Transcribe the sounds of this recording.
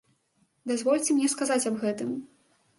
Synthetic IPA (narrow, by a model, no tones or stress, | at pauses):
d̪azvɔlʲt͡sʲɛmnʲɛskazat͡sʲɐbɣɛt̪ɨm